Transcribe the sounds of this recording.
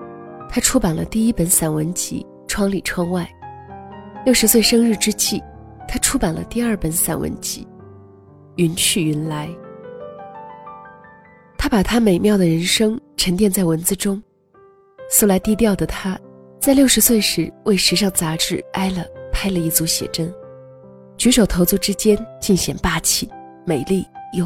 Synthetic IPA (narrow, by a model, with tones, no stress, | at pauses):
t̪ʰa˥ʈ͡ʂʰu˥pa˨˩nlə̰˦t̪i˥˩i˥pə˧˥nsa˨˩nwə˧˥nt͡ɕḭ˧˥ | ʈ͡ʂʰwɑ˥ŋli˨˩ʈ͡ʂʰwɑ˥ŋwa˥˩ɪ | ljo˥˩ʊʂɻ̩˧˥swe˥˧ɪʂɤ˥ŋɻ̩˥˧ʈ͡ʂɻ̩˥t͡ɕi˥˩ | t̪ʰa˥ʈ͡ʂʰu˥pa˨˩nlə̰˦t̪i˥˧ɐ˞˥˩pə˧˥nsa̰˨˩nwʔə̰˧˥nt͡ɕḭ˧˥ | y˧˥nt͡ɕʰy˥˩y˧˥nla˧˥ɪ | t̪ʰa˥pa˨˩t̪ʰa˥me˨˩ɪmjɑ˥˩ʊə˩ɻə˧˥nʂɤ˥ŋʈ͡ʂʰə˧˥ŋt̪jɛ˥˧nt͡sa˥˩ɪwə˧˥nt͡sɹ̩˥˧ʈ͡ʂʊ˥ŋ | s̩˧˥la˧˥ɪt̪i˥˧t̪jɑ˥˩ʊd̪ə˩t̪ʰa˥t͡sa˥˧ɪljo˥˩ʊʂɻ̩˧˥swe˥˩ɪʂɻ̩˧˥wʔe˥˩ɪʂɻ̩˧˥ʂ̬ɑ˥˩ŋt͡sa˧˥ʈ͡ʂɻ̩˥˩a˥ɪlə˨pʰa˥ɪlə˧i˥˩t͡su˧˥ɕjɛ̰˨˩ʈ͡ʂə˥n | t͡ɕy˧˥ʂo˨˩ʊt̪ʰo˧˥ʊt͡su˥˧˩ʈ͡ʂɻ̩˥t͡ɕjɛ˥nt͡ɕi˥˩nɕjɛ̰˨˩npa˥t͡ɕʰi˥˩ | me˨˩ɪli˥˩jo˥˧˩